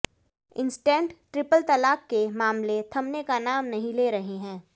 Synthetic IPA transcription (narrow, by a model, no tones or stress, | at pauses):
ɪ̰̃nsʈɛ̃ːɳʈʈɾɪpəlt̪ɐlaːkkemaːmlet̪ʰɐmnekanaːmnɐɦĩleːɾɐɦeɦɛ̃ː